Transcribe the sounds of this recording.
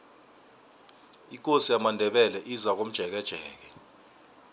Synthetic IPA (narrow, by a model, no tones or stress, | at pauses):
ik̬ʼosijamandʱɛɓɛlɛʔizak̬om̩d̥ʒ̥ʱɛk̬ɛd̥ʒ̥ʱɛːk̬ɛ